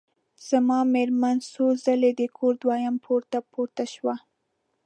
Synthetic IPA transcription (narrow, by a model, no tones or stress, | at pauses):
z̥amɑmeɾmansozaled̪əkʰoɾd̪wɑjampʰoɾt̪apoɾt̪aʃwa